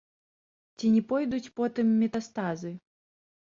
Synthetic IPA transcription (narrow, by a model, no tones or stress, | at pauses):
t͡sʲinʲɛpɔjd̪ut͡sʲpɔt̪ɨmːʲɛt̪ast̪azɨ